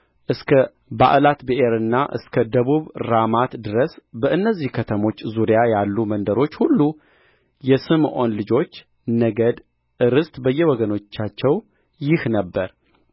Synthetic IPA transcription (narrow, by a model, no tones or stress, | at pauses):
ʔɨskʰə | ba̰ʔlat̪beʔeɾɨnːaʔɨ̰skʰəd̪əβuβɾamat̪d̪ɨɾəsbəʔɨnːəzːihkʰət̪ʰəmo̞t͡ʃːzuɾijajalːumənd̪əɾo̞t͡ʃːhulːu | jɛsɨmʔo̞nlɨd͡ʒo̞t͡ʃː | nəɡəd̪ | ʔɨɾɨst̪bəjːɛwɔɡəno̞t͡ʃːat͡ʃːɛw | jɪhnəbːəɾ